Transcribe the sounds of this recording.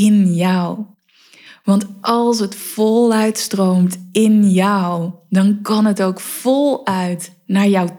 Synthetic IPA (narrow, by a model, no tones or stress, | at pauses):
ɪnjʌw | ʋɑntʔɑlˠs̬ɦətfolˠœɥtstrowmtɪnjɔwdɑnkɑnɦətowkfɔlˠœɥt | naːɹjʌw